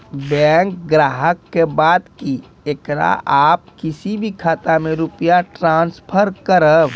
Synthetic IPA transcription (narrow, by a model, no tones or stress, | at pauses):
bɛːŋk̚ɡɾaːɦəkːebaːd̪ki | ekɾa̰ʔaːp̚kɪsibʱikʰaːt̪amẽɾʊpjaʈɾãːnspʰəɾkəɾəb